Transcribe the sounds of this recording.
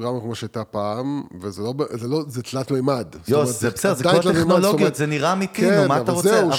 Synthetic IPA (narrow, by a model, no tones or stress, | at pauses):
ɡʁamakmoʃeajt̪apaːmvezelobzelozet̪lat̪mejmad̪stjomzebeseddzeaoalaetnoloɡjut̪zeniʁaːmit̪inumataʁot͡se